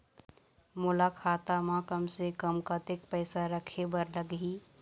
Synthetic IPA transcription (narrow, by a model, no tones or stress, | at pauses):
mʊlakʰaːt̪amãkəmsekəmkat̪ɪk̚pɛːsaɾəkʰebəɾləɡɦiː